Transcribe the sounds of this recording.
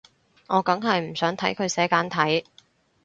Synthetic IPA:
ŋɔː˨˧kɐ˨˥ŋɦɐ˨jm̩˨˩sœː˨˥ŋt̪ʰɐ˨˥jkʰɵ˨˧ɥsɛː˨˥kaː˨˥nt̪ʰɐ˨˥j

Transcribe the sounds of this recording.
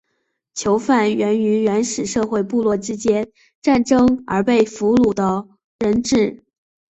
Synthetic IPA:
t͡ɕʰjo˧˥ʊfa˥˩nɥɛ˧˥ny˧˥nɥɛ˧˥nʂɻ̩˨˩ʂɤ˥˧xwe˥˧ɪpu˥˧lwɔ˥˩ʈ͡ʂɻ̩˥t͡ɕjɛ˥n | ʈ͡ʂa˥˩nʈ͡ʂɤ˥ŋə̰˞˧˥pe˥˩ɪfu˧˥lu˨˩d̪ə˦ | ɻə˧˥nʈ͡ʂɻ̩˥˩

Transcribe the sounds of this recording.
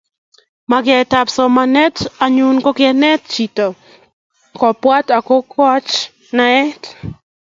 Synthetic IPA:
ma˨ɡɪɛ˨ta˨psɔ˨ma˨nɛ˦ta˨ɲu˦nko˦kɪɛ˦nɛ˦tt͡ʃi˨tɔ˨ | kɔ˨pwa˦ta˨ko˦kwa˦t͡ʃ | naɛ˦t

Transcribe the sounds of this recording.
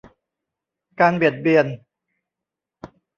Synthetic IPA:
kaː˧nbi˨˩t̪̚bi˨˩ən

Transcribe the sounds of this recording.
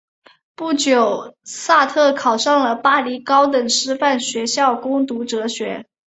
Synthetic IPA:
pu˥˩t͡ɕjo˨˩ʊsa˥˧t̪ʰɤ˥˩kʰɑ˨˩ʊʂɑ˥˩ŋlə˩pa˥li˧˥kɑ˥ʊt̪̬ə˨˩ŋʂɻ̩˥fa˥˩nɕɥɛ˧˥ɕjɑ˥˩ʊkʊ˥ŋt̪u˧˥ʈ͡ʂɤ˧˥ɕɥɛ˧˥

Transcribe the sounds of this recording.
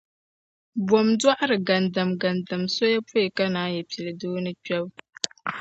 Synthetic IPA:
bwɔ˨mdwa˦ʔa˦ɾɨ˨ɡa˨nda˨mɡa˨nda˨mso˦ja˦po˦˨ka˦naː˦jɛ˨pi˨lɨ˨doː˦nɨ˦t͡ʃɛ˦b

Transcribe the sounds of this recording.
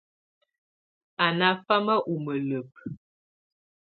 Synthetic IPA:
a˨na˦fa˦mə˦ʔu˨mə˨lə˨p̚

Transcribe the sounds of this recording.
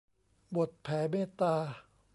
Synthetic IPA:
bo˨˩t̪̚pʰɛː˩˦meː˥˨t̪aː˧

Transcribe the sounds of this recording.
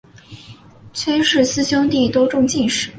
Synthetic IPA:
t͡sʰwe˥ɪʂɻ̩˥˩sɹ̩˥˧ɕjɑ˥t̪i˥˩t̪wo˥ʈ͡ʂʊ˥˧ŋt͡ɕi˥˩nʂɻ̩˥˩˦

